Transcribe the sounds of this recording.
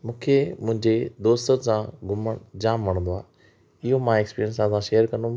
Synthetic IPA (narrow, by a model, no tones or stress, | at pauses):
mũːkʰemʊ̃ɦɪ̃ɲd͡ʑed̪oːst̪əɾsãɡʱʊməɽ̃d͡ʑaːmʋɐɽ̃nd̪oa̰ː | ɪɦomãekspiːɾjənsãsãʃeːjəɾkɐ̃nd̪ũ